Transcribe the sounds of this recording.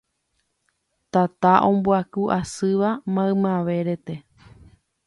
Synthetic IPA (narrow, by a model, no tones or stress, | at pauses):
t̪at̪aʔõ̞mbuakuʔasɨʋamãɨmãʋe̞ɾe̞t̪e̞